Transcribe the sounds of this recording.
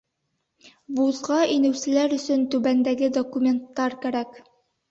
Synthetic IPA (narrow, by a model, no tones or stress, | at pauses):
buzʁɑʔinɘ̆wsɘ̆læɾɵ̆sɵnt̪ʉbænd̪æɡɘd̪okumʲe̞nt̪ːɑɾkæɾæk